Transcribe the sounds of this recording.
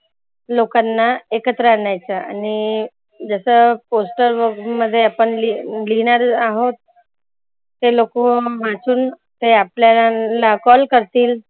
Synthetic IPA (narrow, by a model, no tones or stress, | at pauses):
lokanːaekət̪ɾəaɳjajt͡saa̰ni | d͡zəsəposʈəɾʋəməd̪ʱːjeapəɳlilinaɾaɦot̪ | elokom̤at͡suːn | t̪eapljalakɔlkəɾt̪iːl